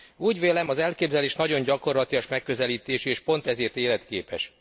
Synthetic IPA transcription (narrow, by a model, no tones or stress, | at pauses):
uːɟʋeːlɛmɒzɛlkeːbzɛleːʃnɒɟo̞ɲɟɒko̞rlɒt̪ijɒʃmɛkːø̞zɛliːt̪eːʃieːʃpo̞n̪t̪ɛzeːrt̪eːlɛt̪keːpɛ̰ʃ